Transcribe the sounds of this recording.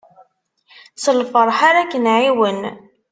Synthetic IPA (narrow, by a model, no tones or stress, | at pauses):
səlfəɾˤħaɾakːənʕiwən